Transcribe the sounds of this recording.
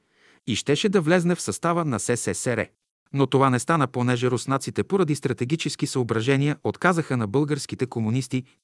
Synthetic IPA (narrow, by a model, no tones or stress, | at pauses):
iʃt̪ɛʃɛd̪ɐvlɛznɛfsɐst̪avənɐsɛsɛsɛɾɛ̰ | not̪ovanɛst̪anəponɛʒɛɾosnat̪sit̪ɛpoɾɐd̪ist̪ɾɐt̪ɛɡʲit͡ʃɛskisəobɾɐʒɛniəot̪kazəxənɐbɤlˠɡəɾskit̪ɛkomunist̪i